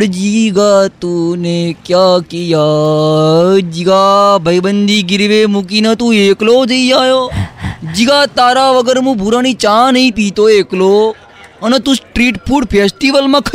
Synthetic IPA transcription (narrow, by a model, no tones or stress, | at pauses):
ɽd͡ʒiɡat̪unekjakija | d͡ʒiɡabʱəjbənd̪ʱiɡɪɾʋemukinət̪ũeːklod͡ʒəiaːjo | d͡ʒiɡat̪aːɾaʋəɡəɾmũbʱuɾaːnit͡ʃãnəĩpit̪oeːklo | ənet̪ũsʈɾiːʈpʰuːɽpʰesʈiʋəlmãkʰ